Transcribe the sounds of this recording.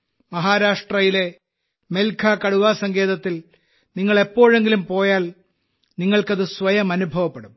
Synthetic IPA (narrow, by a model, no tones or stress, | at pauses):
mɐɦaːɾaːʂʈrɐjile̞ | melkʰaːkɐɽuʋaːsɐŋɡe̞ːðɐt̪ːil | niŋːɐɭe̞pːo̞ːɻe̞ŋɡilumpo̞ːjaːl | niŋːɐɭkɐðɨsʋɐjɐmɐnubʱɐʋɐpːeɽum